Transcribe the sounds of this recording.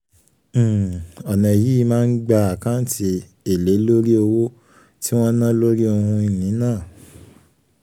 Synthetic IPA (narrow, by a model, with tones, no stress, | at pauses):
ɔ˨nã˨ji˨˦˧mãː˦˧n̩˦ɡ͡ba˧a˨kã˦ti˧ | e˨le˨˦lo˦ɾi˦o˧wo˦ | ti˦w̃ɔ̃˦nã˦lo˦ɾi˦o˧hũ˧i˨nĩ˨˦nãː˦˨